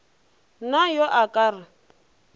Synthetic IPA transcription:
najɔʔakʼaːrɪ

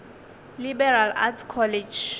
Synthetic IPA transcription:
libɛɾala̰tʰkʰɔlɛd͡ʒ

